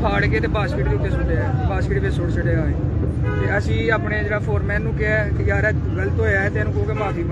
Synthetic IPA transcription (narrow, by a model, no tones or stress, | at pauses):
pʰaːɽkeːt̪eːbaːskɪʈd̪eːʊt̪ːeːsʊɖeɛbaːskɪʈʋeːsʊɽsəɖeːaːeː | t̪eːəsĩːaːpɳeːd͡ʒeːɽaːpʰoːɾmɛ̃ːnːũːkeɛjaːɾɛː | ɡələt̪ɦoːjaːɛt̪eːnũːkəuːkeːbaːt̪ʰiːb